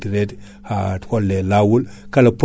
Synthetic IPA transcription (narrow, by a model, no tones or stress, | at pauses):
diɾet | hatkolːelawulkalap